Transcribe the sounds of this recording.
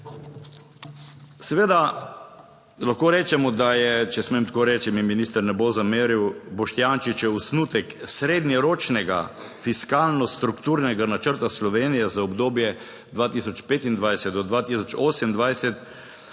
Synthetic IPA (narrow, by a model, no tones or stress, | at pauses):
sɛʋeːd̪a | laxkoːɾɛːt͡ʃɛmɔd̪ajɛt͡ʃɛsmemt̪koːɾɛːt͡ʃimiminiːst̪əɾnɛbozameːɾiwbɔʃt̪jaːnʃit͡ʃɛusnut̪ɛksɾeːd̪njɛɾoːt͡ʃnɛɡa̰ | fiskaːlnɔst̪ɾukt̪uɾnɛɡanat͡ʃəɾt̪aslɔʋeːnijɛzaɔbd̪oːbjɛ | d̪ʋaːt̪isɔt͡ʃpeːt̪ind̪ʋajsɛt̪̚d̪ɔd̪ʋaːt̪isɔt͡ʃoːsɛmnd̪ʋajsɛt̪